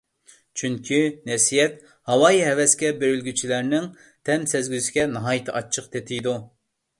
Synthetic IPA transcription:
t͡ʃʰyŋkʲʰinɛsijɛt̪ | hɑwɑːjiɦɛwɛskʲɛbøɾylɡʲyt͡ʃʰilæɾnɪŋ | t̪ʰɛmsɛzɡʲysɪ̥ɡʲɛnɨɦɑjit̪ʰɨʔɑt͡ʃʰːəqt̪ʰet̪ʰɪjd̪u

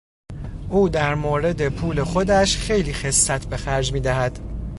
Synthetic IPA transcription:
ʔuːd̪æɾmoːɾe̞d̪e̞pʰuːle̞xo̞d̪æʃxe̞jliːxe̞sːæt̪ʰbe̞xæɾd͡ʒmiːd̪æɦæd̪̥

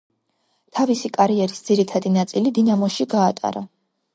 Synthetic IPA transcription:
t̪ʰavisikʼaɾiɛɾisd̪z̥iɾit̪ʰad̪inat̪sʼilid̪inamɔʃiɡaːt̪ʼa̰ɾa

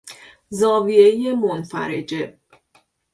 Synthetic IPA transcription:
zɒːvieje̞monfæ̰ɾed͡ʒe̞

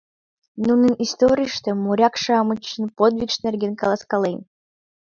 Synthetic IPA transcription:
nunɨnist̪oɾʲiʂt̪emuɾʲakʂɑmɨt͡ɕːɨnpod̪vʲikʂnʲerʲɡʲenkɑlˠɑskɑlˠejnʲ

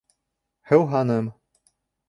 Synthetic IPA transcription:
hɘwɦɑnɤm

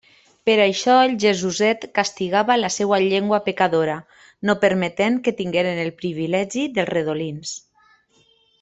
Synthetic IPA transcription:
peɾaʃɔelʲʒezuzɛt̪kast̪iɣaβalasɛwaʎeŋɡwapekaðoɾa | nopəɾmet̪eŋket̪iŋɡeɾenelˠpɾiβilɛʒiðəlˠzreðolins

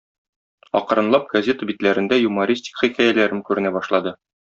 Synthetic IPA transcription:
ɒ̰qɤ̆ɾɤ̆nlˠɑp̚ɡ̥ɐzʲet̪əbit̪læɾɘ̆nd̪æjumɐɾʲisʲt̪ʲi̥kχikæjælæɾɘmkʉɾɘ̆næbɒʃlˠɑd̪ɤ

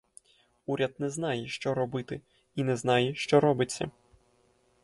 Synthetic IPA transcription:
uɾʲɐd̪̚nɛznɑjɛʃt͡ʃɔɾɔbɨt̪ɪ | inɛznajɛʃt͡ʃɔɾɔbɪt͡sʲːɐ̰

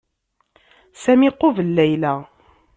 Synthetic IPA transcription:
sæmiqːovəlːæjlæ

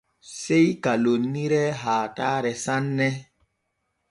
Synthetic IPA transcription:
sejkalonːiɾɛɦaːtaɾɛsanːɛ

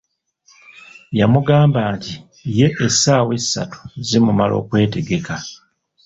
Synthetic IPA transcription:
jamuɡaːmbaːnti | je̞ʔesaːwe̞sːa̰tu̥zimumalo̞̰ːkwe̞ːte̞ɡe̞ka

